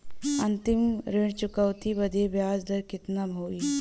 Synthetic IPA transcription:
ɐnt̪ɪmɾeɽ̃t͡ʃʊkəʋt̪ibɐd̪ʱebjaːd͡ʒd̪ɐɾkɪt̪nabʱoːiː

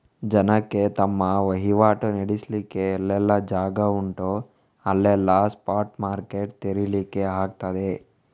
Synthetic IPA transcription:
d͡ʒɐnɐkːe̞t̪ɐmːɐʋɐɦiʋaːʈuneɽislikːeːlːɛlːɐd͡ʒaːɡɐuɳʈo | ɐlːɛlːɐspaːɾʈmaːɾkeʈ̚t̪eɾilikːeɦaːk̚t̪ad̪e

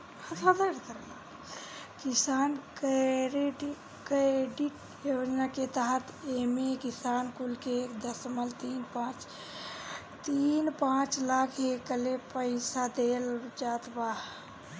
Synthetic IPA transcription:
həsad̪əɾk̪əɾl | kisaːnkɾeɖ | keɖiʈ | jod͡ʒnaket̪aɦət̪emekisaːnkulkeːkd̪əsməlt̪iːnpãt͡ʃ | t̪inpãt͡ʃlakʰekəlepəɪsad̪eld͡ʒaːt̪ba

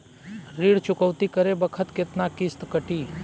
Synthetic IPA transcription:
ɾiːɽt͡ʃʊkəʋt̪ikəɾebəkʰət̪kɪt̪nakɪst̪kəʈiː

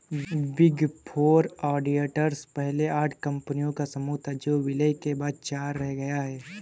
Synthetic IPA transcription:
bɪɡpʰoːɾɔːɖieːʈəɾspɛɦleaːʈʰkɐ̃mpənijõkasɐmuːt̪ʰad͡ʒoːʋɪləjkebaːd̪̚t͡ʃaːɾːɛɦɡɐjaɦɛː

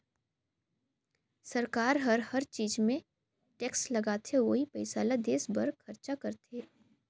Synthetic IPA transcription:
sɐɾkaːɾɦɐɾhɐɾt͡ʃiːd͡ʒmẽ | ʈeːkslɐɡaːt̪ʰeʋoːɦipɐɪsaːlad̪eːsbɐɾkʰɐɾt͡ʃakɐɾt̪ʰeː

